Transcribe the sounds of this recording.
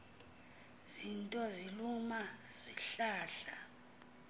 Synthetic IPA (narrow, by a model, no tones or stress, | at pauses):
zintʼɔzilumaz̥iɬaːɬa